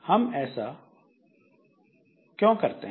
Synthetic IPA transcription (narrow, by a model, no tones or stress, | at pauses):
həmɛːsa | kjõːkəɾt̪eɦ